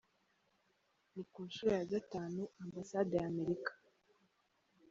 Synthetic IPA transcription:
nikuːnʃuːɾejaɡataːnuʔambasadejaːme̞ɾikḁ

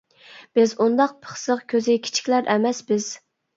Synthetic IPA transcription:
b̥ɪzund̪ɑq̚pʰə̥χsəqkʲʰøzɪkʲʰi̥t͡ʃʰi̥kʲlæɾʔɛmɛsbɪz̥

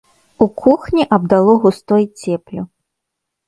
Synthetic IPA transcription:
ukʰuxnʲiʔɐbd̪alˠɔɣust̪ɔjt͡sʲɛplʲu

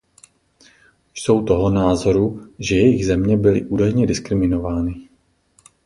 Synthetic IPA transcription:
jso̞wt̪oɦonaːzo̞ɾuʒɛjɛjɪɣzɛmɲɛbɪlɪ̰ʔuːdajɲɛdɪskɾɪmɪno̞vaːnɪ

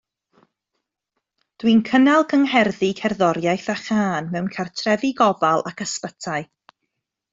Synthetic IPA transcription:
d̥winkʰənɛlˠɡəŋɦɛrðikʰɛrðɔɾjajθaχaːnmɛwnkʰartʰrɛvɪɡɔvalˠʔakəspətʰaɨ

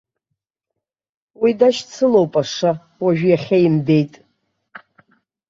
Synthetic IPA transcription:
widaʃt͡sʰɨlowpʼaʂa | waʒᶣjaχʲajimde̞jtʼ

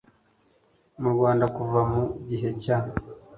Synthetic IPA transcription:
muɾɡwaːndakuvamuɟiɦe̞ca

